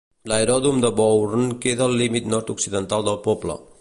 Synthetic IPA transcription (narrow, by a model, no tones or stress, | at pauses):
ləjɾɔðumd̪əbɔwɾnkeðəːlˠːimit̪nɔɾt̪uksiðənt̪alˠd̪əlˠpɔblə̰